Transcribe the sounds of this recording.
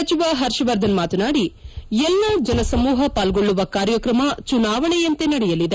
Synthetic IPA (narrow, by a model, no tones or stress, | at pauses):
ɐt͡ʃiʋɐɦɐɾʃɐʋɐɾd̪ʱɐnmaːt̪unaːɽiɛlːɐd͡ʒɐnɐsɐmuːɦɐpaːlɡo̞ɭːuʋɐkaːɾjɐkɾɐmɐt͡ʃunaːʋɐɳɛjɐnt̪e̞nɐɽɛjɐlid̪e